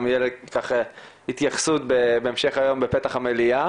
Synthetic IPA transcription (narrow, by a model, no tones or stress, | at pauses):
mjelekaχ | hit̪jaχsut̪̚bebeemʃe̞χajo̞mbepet̪aχamelia